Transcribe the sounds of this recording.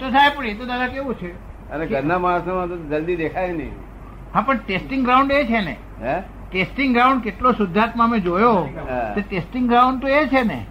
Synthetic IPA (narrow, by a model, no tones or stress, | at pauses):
t̪ot̪ʰajpəɽit̪od̪ad̪ʱakeʋũt͡ʃʰe | əneɡʱəɾnamaːsamãt̪od͡ʒəld̪id̪ekʰajnḭ | ɦãpəɳʈesʈɪŋɡɾauɳɖet͡ʃʰenḛ | ʈesʈɪŋɡɾauɳɖ̚keʈlosʊd̪ʱːat̪mãmẽd͡ʒojoeʈesʈɪŋɡɡɾaũɳɖ̚t̪oet͡ʃʰenḛ